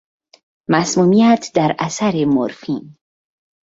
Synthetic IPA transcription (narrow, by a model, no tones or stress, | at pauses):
masmumijat̪d̪aɾasaɾemo̰ɾfin